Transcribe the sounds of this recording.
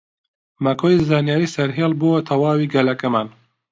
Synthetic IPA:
mɐkʰoːjzaːnjaːɾisɐɾɦeːlˠbowt̪ʰɐwaːwiːɡɐlɐkɐmaːn

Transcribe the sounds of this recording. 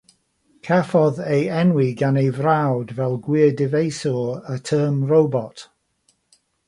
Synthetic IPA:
kʰɛfɔðejɛnwiɡanejvrawdvɛlˠɡwɪədɪvejsɔətʰəːmɹowbɔt

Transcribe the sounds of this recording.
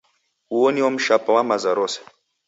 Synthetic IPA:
uɔniwɔm̩ʃapawamazaɾɔsḁ

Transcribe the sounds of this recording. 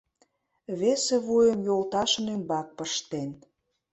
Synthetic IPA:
βeseβujə̆mjolt̪ɑʃə̆nymbɑk̚pəʃt̪en

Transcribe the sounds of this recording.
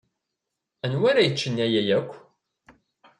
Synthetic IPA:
ænwaɾæjət͡ʃːənːæjæjækʷː

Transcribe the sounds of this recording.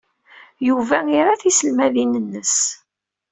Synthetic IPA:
juvæiɾaθisəlmæðinənːəs

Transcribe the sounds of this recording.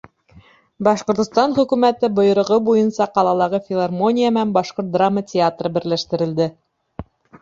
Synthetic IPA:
bɑʃqŏɾt̪ŏst̪ɑnχɵ̆kʉmæt̪ɘbŏjŏɾŏʁɤbujɤnsɑqɑlˠɑlˠɑʁɤfʲɪlˠarmo̞nʲijamæmbɑʃqoɾt̪̚d̪ramːətʲɪat̪rɤbɘ̆ɾlæʃt̪ɘ̆ɾɘ̆ld̪ɘ

